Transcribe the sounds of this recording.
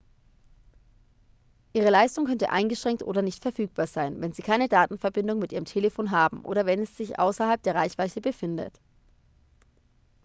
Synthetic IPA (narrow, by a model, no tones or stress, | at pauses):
ʔiːʁ̞əlaɪstʊŋkʰœntə̰ʔa̰ɪnɡəʃʁ̥ɛŋktʔo̰ːdɐnɪçtfɛɐfyːk̚b̥aːɐzaɪnvɛnziːkʰaɪnədaːtn̩fɛɐbɪndʊŋmɪtʔiːʁəmtʰeːləfoːnɦaːbm̩ʔo̰ːɾɐvɛnɛsz̥ɪçʔa̰ʊsɐhalp̚d̥eːɐʁaɪçv̥aɪçəbəfɪndə̰t